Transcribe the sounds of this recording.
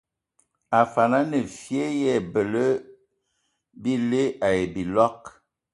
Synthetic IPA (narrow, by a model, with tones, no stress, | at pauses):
a˨fa˨na˦nə˨fi˦e˦jɛ˦˨bə˨lə˦ | bi˦le˦a˨je˨bi˨lɔ˦k̚